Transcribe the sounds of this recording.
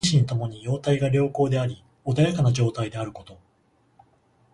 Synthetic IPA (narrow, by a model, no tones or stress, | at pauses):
ɕiɲ̟it̪o̞mo̞ɲ̟ijo̞ːt̪aiɡaɾʲo̞ːko̞ːd̪e̞aɾʲi | od̪ajakanaʑo̞ːt̪aid̪e̞aɾɯ̟ko̞t̪o̞